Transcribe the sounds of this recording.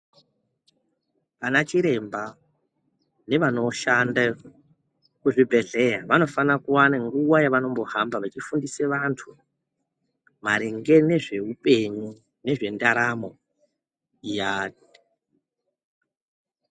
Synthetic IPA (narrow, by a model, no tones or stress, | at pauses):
panat͡ʃiɾe̞mba | ne̞ʋano̞ʃanda | kuʐibʱe̞ɮe̞jaʋano̞fanakuwanaŋɡuwajaʋano̞mbo̞hambaʋat͡ʃifundiseʋantʰu | maɾiŋɡe̞ne̞ʐe̞upe̞ɲu | ne̞ʐe̞ndaɾamo̞ | jaːt̚i̥